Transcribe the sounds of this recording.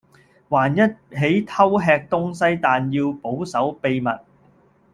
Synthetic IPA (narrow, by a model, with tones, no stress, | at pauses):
waː˨˩njɐ˥t̚ɦe˨˥jt̪ʰɐ˥wɦɛː˧k̚t̪ʊ˥ŋsɐ˥jt̪aː˨njiː˧wpo˨˥wsɐ˨˥wpe˧jmɐ˨t̚